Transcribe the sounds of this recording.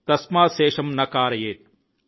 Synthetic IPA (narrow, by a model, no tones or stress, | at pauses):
t̪ɐsmaːseːʃɐmnɐkaːɾɐjeːt̪̚